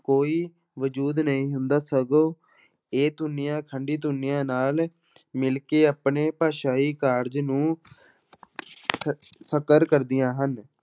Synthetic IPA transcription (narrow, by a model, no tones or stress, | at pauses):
koːiː | ʋəd͡ʒuːd̪nəĩːɦʊnd̪aːsəɡoː | eːt̪ʊnːɪjãːkʰəɳɖiːt̪̬ʊnːɪjãːnaːl | mɪlkeːaːpneːpaːʃaːiːkaːɾd͡ʒnũː | səkəɾkəɾd̪ɪjãːɦən